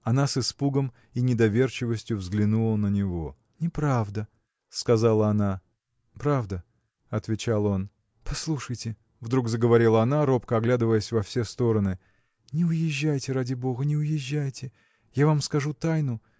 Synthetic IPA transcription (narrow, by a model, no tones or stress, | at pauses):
ɐnasɨspuɡəm | inʲɪd̪ɐvʲe̞rt͡ɕɪvəsʲtʲjʊvzɡlʲɪnulˠənənʲɪvo̞ | nʲɪpɾavd̪ə | skɐzalˠəɐna | pɾavd̪ə | ɐt̪vʲɪt͡ɕalˠo̞n | pɐslˠuʂəjtʲɪ | vd̪ɾuɡzəɡəvɐɾʲilˠəɐnaɾo̞pkəɐɡlʲad̪ɨvəjəsʲvɐfsʲest̪o̞ɾənɨ | nʲɪʊjɪʑːæjtʲɪɾadʲɪbo̞ɣənʲɪʊjɪʑːæjtʲɪ | javamskɐʐut̪ajnʊ